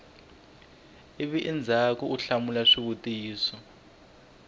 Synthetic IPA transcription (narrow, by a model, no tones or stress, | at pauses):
iβiʔind͡zʱakɔuɬamulaʂiβutiːsɔ